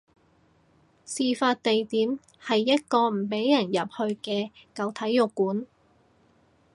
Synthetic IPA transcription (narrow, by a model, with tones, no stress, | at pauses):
siː˨˧faː˧t̚t̪e˨jt̪iː˨˥m | hɐ˨jːɐ˥t̚kɔː˧m̩˨˩pe˨˥jːɐ˨˩njɐ˨p̚hɵ˧ɥkɛː˧kɐ˨˧wt̪ʰɐ˨˥jʊ˨kːuː˨˥n